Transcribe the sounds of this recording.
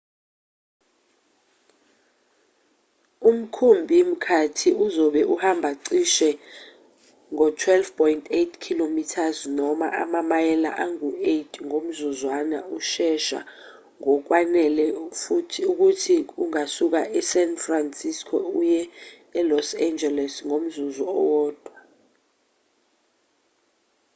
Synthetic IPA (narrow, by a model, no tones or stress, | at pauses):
um̩kʰumbʱim̩kʰatʰiuzɔɓɛʔuhambʱaǀiʃɛ | ŋɔtʰwɛlfpʰɔjntʼʰetʰkʰilomitʰaznɔma̰ʔa̰mamajɛla̰ʔaŋuetʰʼŋom̩zuzwana̰uʃɛʃa̰ | ŋɔk̬wanɛlɛfutʰuk̬utʰiuŋasuk̬aʔɛsɛnfransiskʰɔujɛː | lɔsand͡ʒɛlɛsŋom̩zuzɔɔwɔːd̥ʱwa